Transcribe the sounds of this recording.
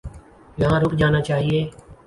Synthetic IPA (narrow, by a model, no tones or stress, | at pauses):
jɦãːɾʊkd͡ʒaːnaːt͡ʃaːɦieː